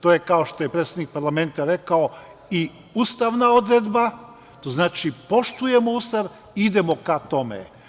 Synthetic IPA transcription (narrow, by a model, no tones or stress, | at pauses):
t̪ojekao̞ʃt̪o̞jepɾet̪sʲed̪nik̚paɾlˠame̞nt̪aɾe̞kao̞ | i | ust̪aʋnao̞d̪ɾed̪ba | t̪oznaːt͡ʃipo̞ʃt̪uje̞mo̞ust̪aʋ | id̪e̞mo̞kat̪o̞mḛ